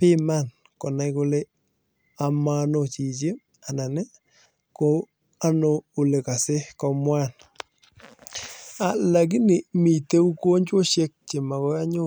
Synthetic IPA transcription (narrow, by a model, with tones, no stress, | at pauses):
pɪ˦ma˦n | kɔ˨na˦jko˦le˦ | a˨ma˦no˨t͡ʃi˨t͡ʃe˦ | a˨na˨ne˦ | ko˦ | a˦no˦u˨le˨ka˨sɪ˦kɔ˦mwa˦n | a˨la˨k̬ɪ˦nɪ˨mi˨te˦u˦ko˦ɲt͡ʃwo˦ʃe˦k̚t͡ʃe˨ma˨kɔ˦a˦ɲʊ˦